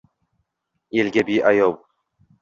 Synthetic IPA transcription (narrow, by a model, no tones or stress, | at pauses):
elɡʲabijʔajɒw